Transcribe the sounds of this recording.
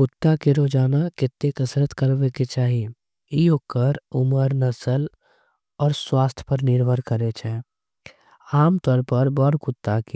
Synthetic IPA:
kʊt̪ːakeɾoːd͡ʒaːnakɪt̪ːekəsɾət̪kəɾbeket͡ʃaːɦi | iokəɾʊməɾnəsəl | ɔːɾswaːst̪ʰjpəɾnɪɾbʱəɾkəɾet͡ʃʰɛ̃ː | aːmt̪ɔːɾpəɾbɔːɾkʊt̪ːaki

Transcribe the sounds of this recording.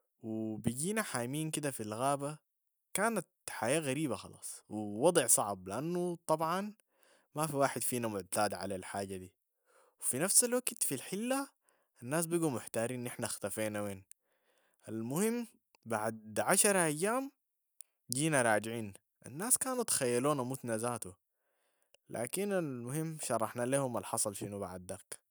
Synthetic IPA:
wibiɟiːnaħaːjmiːnkid̪afilɣaːba | kaːnat̪ħajaːɣaɾiːbaxɑ̰lɑ̰ːsˤwiwɑd̪ˤɨʕsˤɑʕbliʔanːut̪ˤɑbʕɑn | mafiwaːħɪd̪fiːnamʊʕt̪aːd̪ʕa̰lalħaːɟːad̪iː | wifinafsalwaɡt̪filħɪlːa | anːaːs̬biɡumʊħt̪aːɾiːnːʔɪħnaxt̪afeːnaweːn | ʔalmʊhimː | baʕd̪d̪ʕaʃɑɾˤʔajːaːm | ɟiːnaɾˤɑːɟʕiːn | ʔa̰nːaːskaːnut̪ḁxajːaluːnamut̪nazaːt̪u | lʔa̰ːkinalmʊhimːʃɑɾˤːɑħnaleːhumalħɑsˤɑlʃiːnuba̰ʕd̪ːak

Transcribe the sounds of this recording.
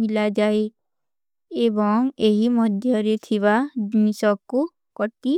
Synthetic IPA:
milad͡ʒae | ebɔŋeɦimɔd̪ʱjɔɾet̪ʰiβad͡ʒnisɔku | kɔʈi

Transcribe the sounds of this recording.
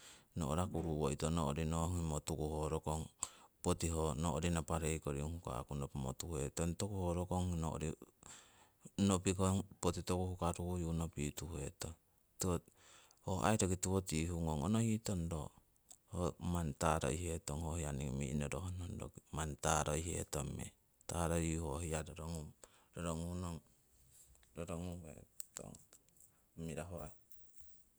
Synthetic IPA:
no̰ʔoɾakuɾuwoitonoʔoɾinoŋimotukuhoɾokoŋpotiɦonoʔoɾinapaɾejkoɾiuŋhuka̰kunopmo̰tuhetontokuhoɾokoŋino̰ʔo̰ɾi | nopikopotitokuhukaɾujunopituhueto | tuo | hoʔa̰jɾoɡituotihuŋoŋonohitondo̰ | homantaɾo̰jhetoŋhohianiŋmḭnoɾoɦonondo̰kmantaɾojhḛtomḛ | taɾoihohiadoɾoŋum | doɾoŋunoŋ | doɾoŋuḛto̰ŋ | miɾaɦoaj

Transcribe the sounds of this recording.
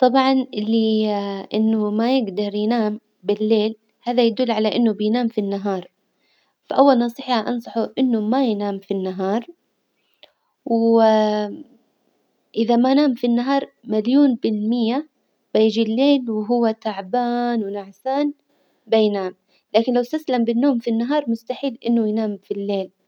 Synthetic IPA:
t̪ˤɑbʕɑnɪlːiʔɪnːʊmajɪɡd̪ɑɾˤjnaːm | bɪlːeːl | haːðajad̪ʊlːʕalaʔɪnːʊbɪjnaːmfinːaɦɑːɾˤ | faʔawːalnɑsˤiːħhaʔɑnsˤɑħuʔɪnːʊmajnaːmfinːaɦɑːɾˤ | w | ʔɪðamajnaːmfinːaɦɑːɾˤmaljuːnbɪlmɪjːa | b̥ajɪd͡ʒilːeːlwɪɦʊwːat̪aʕbaːnwɪnaʕsaːn | bajnaːm | laːkɪnlawst̪aslambɪnːoːmfinːaɦɑːɾˤmʊst̪aħiːlʔɪnːʊjnaːmfilːeːl

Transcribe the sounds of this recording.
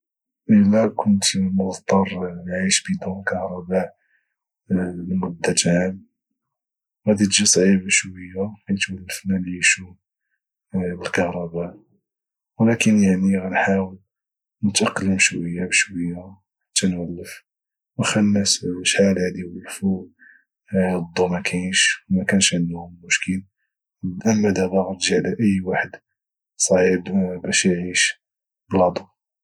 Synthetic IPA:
ʔəlːækʰʊnt̪mʊɣt̪ˤːɑɾˤnʕiʃbid̪uməlkɑhɾˤɑba | lmʊd̪ːæt̪ʕam | ɣæd̪it̪ʒisˤʕibəʃwəjːakæjət̪wælːəfnalʕiʃu | bəlkɑhɾˤɑba | wlækənjaʕniɣænħawəl | nət̪ʔɑqːləmʃwəjːabʃwəjːa | t̪ːænwælːəf | wxænːæsʃħalaʕd̪iwəlfu | d̪ˤːumækʰæʃwmækænʃʕənd̪hʊmmʊʃkəl | ʔæmːæd̪æbɑɣt̪ʒiʕlæʔəjːwaħəd̪ | sˤɑʕibbæʃjʕiʃ | bəlɑd̪ˤu

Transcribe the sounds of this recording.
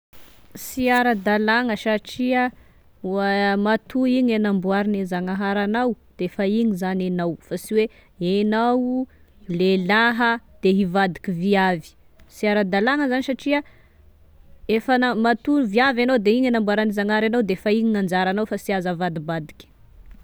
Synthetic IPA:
siaɾəd̪alaŋəsaʈ͡ʂiə | uamat̪uiɲenambuaɾinezaŋaɦaɾanawd̪̥eefaiɲizananawfasiwe | enaw | lelaɦəd̪̥eɦivad̪ikʲiviavi̥ | siaɾad̪alaŋəzanisaʈ͡ʂiə | efənamat̪unviavanawd̪eiɲenambuwaɾanizaŋaɾanawd̪eefaiɲinand͡zaɾanawfasiazavad̪ibad̪ikʲi̥

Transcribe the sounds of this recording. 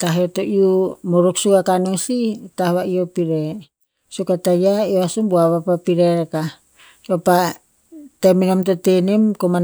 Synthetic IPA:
taɦeotoʔiumoɾoksuɡakanositahβaiopiɾe | sukatajaioasumbuaβapapiɾeɾeka | βapa | teminomtotenemkoman

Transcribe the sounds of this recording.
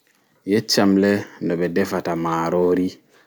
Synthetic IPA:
jet͡ʃamlendobedɛfatamaːɾoɾi

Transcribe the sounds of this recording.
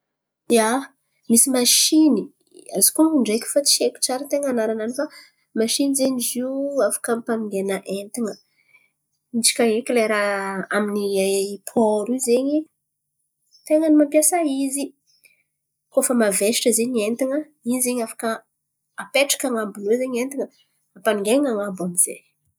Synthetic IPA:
ja | misimaʃini | a̰zi̥kouɳɖ͡ʐekʲu̥fat͡sieku̥t͡saɾət̪eŋanaɾananifa | maʃinizeɲiziafḁkampamiŋɡenəʔent̪iŋə | it͡ʃi̥kʲaekʲileɾaaminiapʰoɾizeɲi | t̪eŋənimampjasaizi | kofəmaveʃi̥ʈ͡ʂəzeɲient̪iŋə | izeɲafḁkəː | peʈ͡ʂḁkaŋabuluzeɲent̪iŋə | apaniŋɡeŋaŋabamiz̥ḛ

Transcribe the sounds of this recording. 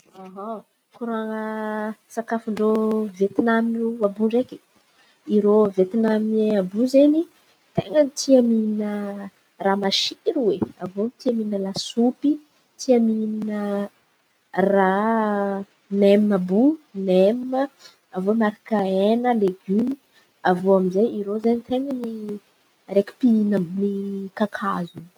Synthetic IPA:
aɦa | kuɾuaŋəsakafuɳɖ͡ʐovet̪inaminuabuɳɖ͡ʐeki̥ | iɾovet̪inamabuzeni | t̪eŋənit̪ʰiaminə | ramaʃiɾuweavomit̪iaminəlasupi | t̪iamininə | ra | nemnəbunemmə | avomaɾakaenəleɡyni | avoamizejiɾozenit̪eŋəni | ɾeki̥piinənikakʰazu

